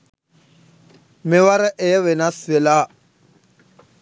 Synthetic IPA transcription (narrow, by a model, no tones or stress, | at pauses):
mɪwaɾɛʔɪɛβɛnasɛla